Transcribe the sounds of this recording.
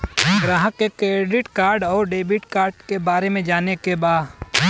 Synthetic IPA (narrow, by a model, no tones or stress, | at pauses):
ɡɾaːɦəkekɾeːɖɪʈkaːɾɖɔːɾɖeːbɪʈkaːɾɖkebaːɾemẽd͡ʒaːnekebaːd̪